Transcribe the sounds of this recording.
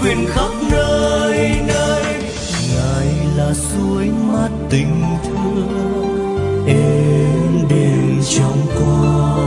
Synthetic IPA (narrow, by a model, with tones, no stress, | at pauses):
kwi˧ənxə˦˥wk͡p̚nəː˧jnə˧j | ŋaː˨˩jlaː˨˩zu˧əjma˧˩t̚t̪ï˨˩ŋ̟t̪ʰɨ˧˦ | ʔɛ˧mɗe˧˩nt͡ɕɔ˧wŋ͡mkwa˧